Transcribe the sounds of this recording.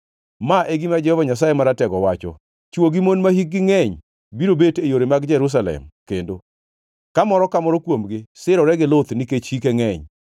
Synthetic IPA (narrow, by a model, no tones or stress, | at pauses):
maʔeɡimad͡ʒɛhɔvaɲas̬ajemaɾatɛɡɔwat͡ʃɔ̰ | t͡ʃwoɡimonmahik̚ɡɪŋɛɲ | biɾobetejoɾemaɡd͡ʒɛɾus̬alɛ̰mkendo | kamɔɾɔkamɔɾɔkwomɡɪsɪɾɔɾɛɡɪlot̪niket͡ʃhikɛŋɛɲ